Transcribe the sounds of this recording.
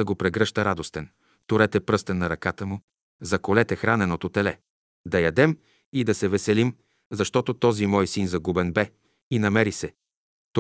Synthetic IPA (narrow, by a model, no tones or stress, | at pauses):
ɐɡopɾɛɡɾɤʃt̪əɾad̪ost̪ɛn | t̪oɾɛt̪ɛpɾɤst̪ɛnːɐɾɐkat̪əmu | zɐkolɛt̪ɛxɾanɛnot̪ot̪ɛlɛ | d̪ɐjɐd̪ɛm | id̪ɐsɛvɛsɛlim | zɐʃt̪ɔt̪ot̪ɔzimɔjsinzɐɡubɛnbɛ | inɐmɛɾisɛ | t̪